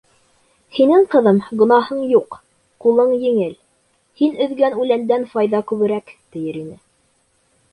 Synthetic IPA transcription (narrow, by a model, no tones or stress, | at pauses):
hinɘŋqɤ̆ðɤmɡŏnɑhɤɴjuq | qulˠɤɴjɘ̆ŋɘl | hinɵ̆ðɡænʉlænd̪ænfɑjðɑkʉβɘ̆ɾækt̪ɘ̆jɘɾinɘ